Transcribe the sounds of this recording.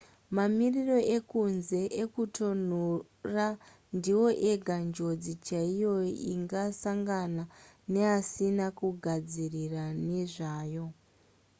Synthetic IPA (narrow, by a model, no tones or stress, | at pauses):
mamiriro̞ʔe̞kunze̞ʔekutʰo̞n̤u | ra | ndiwo̞ʔe̞ɡʱand͡ʒo̞d͡zit͡ʃaijo̞iŋɡasaŋɡana | ne̞asinakuɡʱad͡zirirane̞ʐaːjo̞